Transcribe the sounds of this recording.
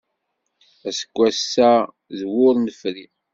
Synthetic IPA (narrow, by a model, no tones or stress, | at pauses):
æsə̥kʷːæsːæ | zwʊɾnəfɾi